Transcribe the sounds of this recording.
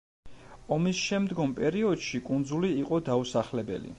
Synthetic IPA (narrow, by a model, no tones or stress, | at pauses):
ɔmisʃɛmd̪ɡɔmpʼɛɾiɔd̪̥ʃikʼund̪zuliːqʼɔd̪ausaχlɛbɛ̰lḭ